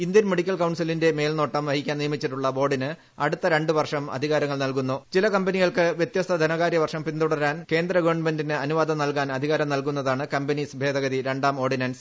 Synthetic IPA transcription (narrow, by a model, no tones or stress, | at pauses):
ind̪jɐnmeɽikʲːɐlkɐwɳsilinde̞me̞ːlno̞ːʈːɐmʋɐɦikʲːaːnijɐmit͡ɕːiʈːuɭːɐbo̞ːɖinɨ | ɐɽut̪ːɐɾe̞ɳɖɨʋɐrʂɐmɐ̰d̪ʱiɣaːɾɐŋːɐɭnɐlkunːut͡ɕilɐkɐmbɐniɣɐɭkɨʋjet̪jɐst̪ʰɐd̪ʱɐnɐɣaːɾjɐʋɐrʂɐmpind̪uɽɐɾaːnke̞ːnd̪rɐɡuʋɐɳɖmendinɨɐnuʋaːd̪ɐmnɐlkaːnɐd̪ʱiɣaːɾɐmnɐlkun̪ːɐðaːɳɨkɐmbɐnisibʱe̞ːd̪ɐɣɐðiɾe̞ɳɖaːmo̞ːrɖinɐːns